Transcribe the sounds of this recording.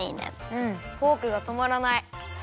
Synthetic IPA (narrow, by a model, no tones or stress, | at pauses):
inḛ̃ɯ̟̃ɴhoːkɯ̟ɡat̪o̞maɾanai